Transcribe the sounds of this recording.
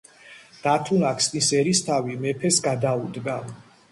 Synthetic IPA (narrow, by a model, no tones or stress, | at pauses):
d̪̥at̪ʰunakʰsnisɛɾist̪ʰavimɛpʰɛsɡad̪aud̪ɡa